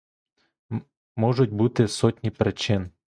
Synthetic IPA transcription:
mɔʐʊt̪̚ʲbut̪ɪsɔt̪ʲnʲipɾet͡ʃɪn

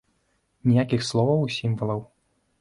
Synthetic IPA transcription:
nʲijakʲixslˠɔvɐwsʲimvɐlˠɐw

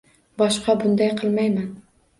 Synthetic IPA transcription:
bɒʃqɑbʊnd̪ajqʰɨlˠmajman

